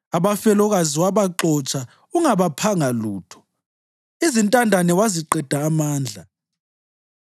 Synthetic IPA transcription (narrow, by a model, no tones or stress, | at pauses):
aβafɛlɔɣaziwaβaǁɔt͡ʃʰʼa | uŋaβapʰaŋaluːtʰɔ̥ | izintʼandʱanɛwaziǃɛd̥ʱaːmaːnd͡ɮʱa